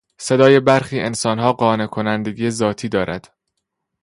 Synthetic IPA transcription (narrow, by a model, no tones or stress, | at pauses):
se̞d̪ɒːje̞bæɾxiːʔensɒːnɦɒːɢɒːne̞kʰonænd̪e̞ɡiːjezɒːt̪ʰiːd̪ɒːɾʔæd̪̥